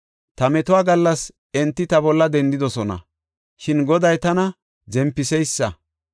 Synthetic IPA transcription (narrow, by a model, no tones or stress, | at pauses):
t̪ɐmɛt̪ʊaːɡɐlːɐs | ɛnt̪ːɪt̪ɐbɔlːɐd̪ɛnd̪ɪd̪ɔsɔnɐ̰ | ʃɪnɡɔd̪ɐjt̪ɐnɐ | zɛmpːɪsɛjsːɐ